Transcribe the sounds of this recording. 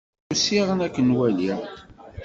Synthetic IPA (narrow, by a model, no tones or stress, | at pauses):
usiʁənækːənwæliʁ